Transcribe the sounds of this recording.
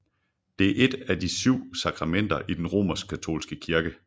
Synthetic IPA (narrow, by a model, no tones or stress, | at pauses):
d̥e̝æɐʔe̝d̥æd̥isyʊ̰sɑ̈kʰʁɑ̈men̰d̥ɐʔid̥enʁo̝̰ːmɐsɡ̥̚kʰæt͡sʰo̝̰ːlsɡ̥əkʰiɐɡ̥ə